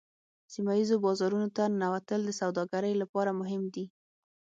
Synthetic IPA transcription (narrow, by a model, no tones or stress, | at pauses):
simajizobɑzɑɾunot̪anawat̪əld̪əsawd̪ɑɡaɾəjlapɑɾamʊɦɪmd̪i